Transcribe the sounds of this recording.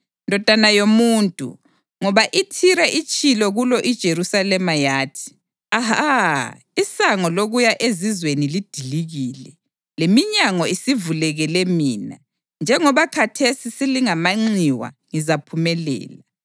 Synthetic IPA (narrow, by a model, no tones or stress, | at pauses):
ndʱɔd̥ʱanajomuːntʼṵ | ŋɔβaʔitʰiɾɛʔit͡ʃʼilɔɣulɔʔid̥ʒ̥ʱeɾusalɛmajaːtʰi̥ | aɦa | isaŋɔloɣujaʔezizwenilid̥ʱiliɣiːlɛ | lemiɲaŋɔisivulɛɣɛlɛmiːna̰ | nd͡ʒʱɛŋɔβakʰatʰesisiliŋamaŋ͡ǀiwa̰ŋizapʰumɛlɛ̰ːla